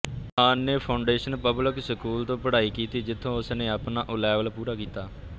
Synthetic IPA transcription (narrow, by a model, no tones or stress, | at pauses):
aːnːeːpʰaːʊɳɖeːʃənpəblɪksəkuːlt̪õːpəɽaːiːkiːt̪iːd͡ʒɪt̪ʰːõːʊsnẽːapnaːʔʊlɛːʋəlpuːɾaːkiːt̪aː